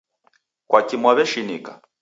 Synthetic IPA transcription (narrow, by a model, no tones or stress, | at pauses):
kwakimwaβɛʃinika